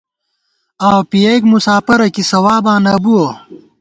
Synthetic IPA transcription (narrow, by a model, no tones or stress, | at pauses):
aːwpijeɡmusaːpɐɾɐkisɐwaːbãːnɐbuo